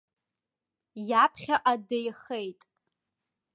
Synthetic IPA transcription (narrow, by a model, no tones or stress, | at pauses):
japʰχʲaʔadejχejtʼ